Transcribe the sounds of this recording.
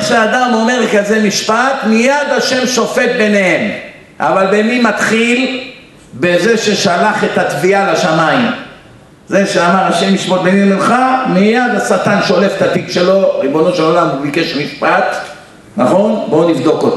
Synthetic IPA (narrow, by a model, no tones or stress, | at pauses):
eχʃead̪amo̞meʁlekaze̞miʃpat̪mijad̪aʃe̞mʃo̞fe̞t̪̚be̞nehem | ʔa̰valbemimat̪χil | beze̞ʃe̞ʃalaχet̪at̪vialaʃamaim | ze̞ʃeamaʁaʃe̞miʃpot̪̚benemlemχamijad̪asat̪anʃo̞lefet̪at̪iɡʃe̞lo̞ʁibo̞no̞ʃelolamubike̞ʃmiʃpat̪ | naχo̞nbo̞nivd̪o̞kot̪o